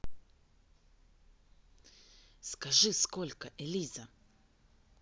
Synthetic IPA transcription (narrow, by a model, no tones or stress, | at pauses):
skaʐiskɔlʲkaʔeliza